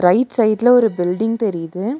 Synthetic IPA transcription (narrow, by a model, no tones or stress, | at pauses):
ɾɐɪʈsɐɪɖlɐɔɾɯbɪlɖɪŋɡ̚t̪ɛɾɪjðɯ